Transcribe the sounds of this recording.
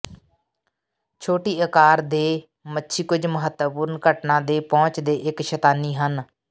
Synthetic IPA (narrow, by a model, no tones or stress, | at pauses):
t͡ʃʰoːʈiːəkaːɾd̪eː | mətːʃʰiːkʊd͡ʒməɦət̪ːpʊɾnkəʈnãːd̪eːpɔ̃ːt͡ʃd̪eːʔɪkʃət̪aːniːɦən